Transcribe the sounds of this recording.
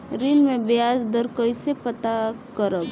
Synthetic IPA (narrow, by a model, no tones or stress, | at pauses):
ɾɪnmẽbjjaːsd̪əɾkəisepət̪akəɾəb